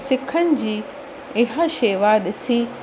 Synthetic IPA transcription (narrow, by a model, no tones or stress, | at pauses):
sɪkʰənɪ̆d͡ʑiː | ɪɦaʃeːʋaːdɪsiː